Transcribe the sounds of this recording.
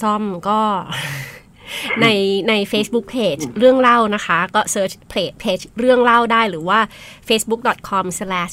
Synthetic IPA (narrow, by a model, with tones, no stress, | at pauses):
sɔ˥˩mkɔː˥˩ | na˧jna˧jfeː˦˥sbu˦˥k̚pʰeː˨˩t͡ɕɾɯ˥˩əŋɾa˥˩wna˦˥kʰa˦˥kɔː˥˩sɤː˦˥t͡ɕpʰleː˨˩pʰeː˦˥t͡ɕɾɯ˥˩əŋɾa˥˩wdaː˥˩jɾɯː˩˦waː˥˩feː˦˥sbu˦˥k̚dɔ˨˩t̪̚kʰɔ˧mslɛː˦˥ʃ